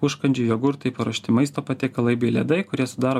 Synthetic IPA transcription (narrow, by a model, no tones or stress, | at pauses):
ʊʃkɐnʲd͡ʒʲʊjoːɡʊɾt̪ɐɪpɐɾoɔʃʲt̪ʲɪmɐɪst̪oːpɐt̪ʲeɪkɐlˠɐɪbʲɛlʲɛ̰d̪ɐɪkʊɾʲiɛsʊd̪ɑːɾoː